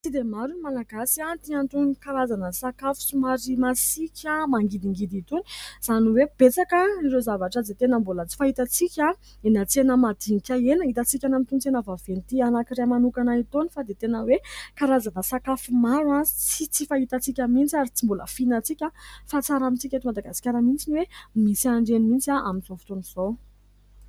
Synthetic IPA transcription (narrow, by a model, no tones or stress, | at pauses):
t͡sid̪emaɾunimalaɡasiat̪iaɳʈ͡ʂunkaɾazanəsakafu̥sumaɾimasikʲʰamaŋɡid̪iŋɡid̪it̪uni̥z̥aniweb̥et͡sakəniɾezavaʈ͡ʂad͡z̪et̪enəmbolət͡si̥faɦit̪at͡sikʲa | enət͡senəmad̪̥iŋikʲaenəit̪at͡sikʲanamit̪unt͡s̪enəvavenit̪ianakiɾemanukanait̪onifad̪et̪enəwekaɾazanasakafimaɾuanzi̥t͡sit͡sifait̪at͡sikʲamint͡siaɾit͡simbolə̰finat͡sikʲafat͡saɾamit͡sikʲat̪imad̪aɡasi̥kʲaɾəmint͡siniwemisiaɳɖ͡ʐenimint͡siaʔamizofu̥t̪oniz̥o